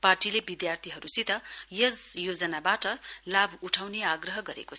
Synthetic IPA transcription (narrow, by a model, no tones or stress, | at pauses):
parʈilebid̪jart̪ʰiɦʌɾusit̪ʌjʌd͡zjod͡zʌnabaʈʌlabʱuʈʰawneaɡrʌɦʌɡʌɾḛko